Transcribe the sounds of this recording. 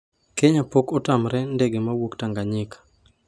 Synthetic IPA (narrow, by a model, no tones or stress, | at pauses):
keɲapokɔtamɾɛndeɡemawoktaŋɡaɲɪkḁ